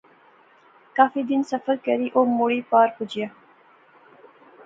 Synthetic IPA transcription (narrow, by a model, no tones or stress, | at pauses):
kaːfid̪insɐfəɾkɐɾiʔoːmuɽiːpaːɾpud͡ʑija